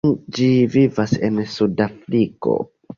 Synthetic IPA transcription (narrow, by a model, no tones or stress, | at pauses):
nd͡ʒivivase̞nsudafɾiko̞̰